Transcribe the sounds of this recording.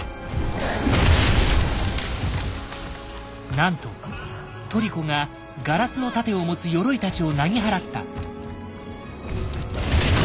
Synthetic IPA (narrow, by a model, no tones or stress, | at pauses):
nãnt̪o̞ | t̪o̞ɾʲiko̞ŋa | ɡaɾasɨno̞t̪at̪e̞o̞mo̞t͡sɨjo̞ɾo̞it̪at͡ɕio̞naɡʲiɦaɾat̪ːa̰